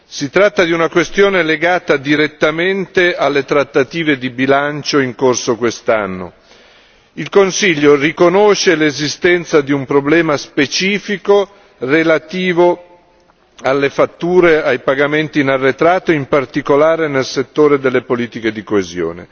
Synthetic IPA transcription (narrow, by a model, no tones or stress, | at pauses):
sit̪ɾat̪ːad̪iunakwest̪joːneleɡaːt̪ad̪iɾet̪ːament̪ealːet̪ɾat̪ːat̪iːved̪ibilant͡ʃoiŋkorsokwest̪anːo̰ | ilkonsiʎːorikonoʃelezist̪ɛnt̪sad̪iumpɾoblɛːmaspet͡ʃiːfiko | relat̪iːvo | alːefat̪ːuːɾeajpaɡament̪iːnarːet̪ɾaːt̪oimpart̪ikolaːɾenelset̪ːoːɾed̪elːepoliːt̪iked̪ikoezjo̰ːnḛ